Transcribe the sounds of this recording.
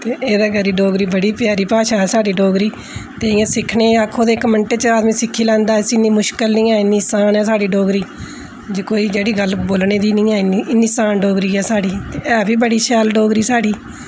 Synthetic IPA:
t̪eːʔeːd̪aːɡəɾiːɖoːɡɾiːbəɽiːpjaːɾiːpaːʃaːɛːsaːɖiːɖoːɡɾiː | t̪eːɪãːsɪkʰneːakʰːõːd̪eːkməɳʈeːt͡ʃəaːd̪mĩːsɪkʰːiːlɛ̃ːnd̪aːsɪnːiːmʊʃkəlnĩːɛːɪnːiːsaːnɛːsaːɖiːɖoːɡɾiː | d͡ʒeːkoːiːd͡ʒeːɽiːɡəlboːlneːd̪iːnĩːɛːɪniːɪnːiːsaːnɖoːɡɾiːɛːsaːɖiːt̪eːɛːbʱiːbəɽiːʃɛːlɖoːɡɾiːsaːɖiː

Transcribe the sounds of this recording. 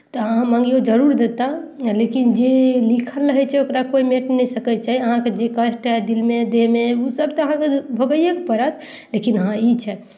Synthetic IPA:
t̪ɔəɦãmãŋɡiod͡ʒəɾuɾd̪et̪alekind͡ʒelikʰəlːəɦɛt͡ʃʰɛokɾakoimeʈnnɛisəkət͡ʃaɦiəɦãked͡ʒekəsʈɦɛd̪ilmed̪eɦmeusəb̚t̪ɔəɦãkebʱəɡəjəkepəɾət̪ʰ | lekinəɦãit͡ʃʰɛ

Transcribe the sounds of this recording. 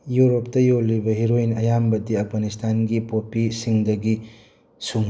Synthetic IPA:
juɾop̚tɐjolːibɐɦiɾojnɐjambɐd̪iɐpʰɡanistʰanɡipopisiŋd̪ɐɡi | suŋ

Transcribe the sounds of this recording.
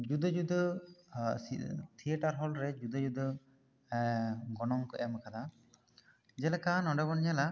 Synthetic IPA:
d͡ʒud̪əd͡ʒud̪ | t̪ʰijəʈaɾɦɔlɾɛd͡ʒud̪əd͡ʒud̪ | ɡɔnɔŋkɔjaməkad̪a | d͡ʒɛlɛkanɔɖɛbɔnɲala

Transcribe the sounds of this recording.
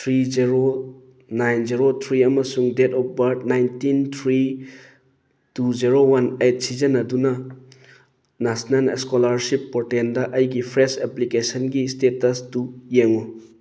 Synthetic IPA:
t̪ʰɾiziɾo | najnziɾot̪ʰɾiɐmɐsuŋdetɔp̚bɐɾnajntint̪ʰɾi | tuziɾowɐnet̚sid͡ʒɐnɐdunɐ | nasnɐlḛskolaɾsipːoɾtendɐʔɐjɡipʰɾeseplikesɐnɡistetɐsdujeŋu

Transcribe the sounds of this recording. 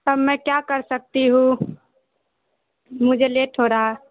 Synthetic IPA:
t̪əbmɛkjakəɾsək̚t̪iɦũ | mud͡ʒʱeleʈʰɦoɾaɦɛ

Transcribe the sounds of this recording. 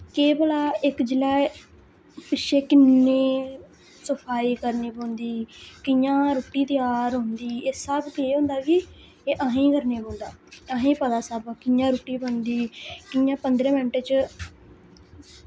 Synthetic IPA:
keːbəlaːɪkd͡ʒɪlaː | pɪʃʰeːkɪnːeː | səpʰaːiːkəɾneːboːnd̪iːkɪjãːɾoːʈiːt̪ɪjaːɾɦʊ̃nd̪iːeːsəbkeːɦõːnd̪aːkɪ | eːʔəɦẽːkəɾneːbõːnd̪aːəɦẽːpəd̪aːsəbkɪjãːɾuːʈːiːbənd̪iːkɪjãːpənd̪ɾẽːmɛ̃ɳʈeːt͡ʃ

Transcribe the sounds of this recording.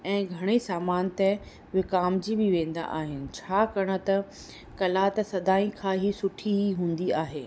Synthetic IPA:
ɛ̃ːɡʱɐɽ̃esaːmaːnt̪ɛ̃ | ʋɪkaːmd͡ʑibɪʋẽːnd̪a̰ʔaːɦɪnɪ̆t͡ɕʰaːkɐɽ̃ə̆t̪ɐ | kɐlaːt̪ɐsɐd̪aːĩkʰãːɦisʊʈʰiɦiɦũːn̆d̪iaːɦeː

